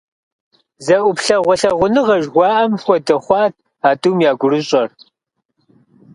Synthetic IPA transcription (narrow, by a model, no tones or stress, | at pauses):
zɐʔʷʊpɬɐʁʷʊɬɐʁʷʊnɨʁɐʒʁʷɑːʔɐmxʷɔdɐχʷɑːt̚ʰ | aːduːmjaːɡʷʊɾɨɕʼɐr